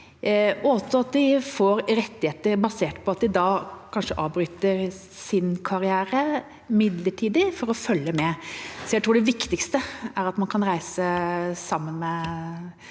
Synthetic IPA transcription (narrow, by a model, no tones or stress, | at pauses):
ɔɔsːɔɑt̪d̪ɪfoːɾɾɛt̪ːɪheːt̪əɾbɑseːʈpʰɔɑt̪̚d̪ɪd̪ɑːkʰɑnʂəʔɑːʋbɾyːt̪əɾ | sɪnkʰɑɾɪæːɾə | mɪd̪ləʈʰiːd̪ɪfɔɾɔfœlːəmɛsɔjæt̪ʰɾuːɖɛʋɪkt̪ɪkst̪əæɾɑt̪mɑnkʰɑnɾæɪsəsɑmːənmɛ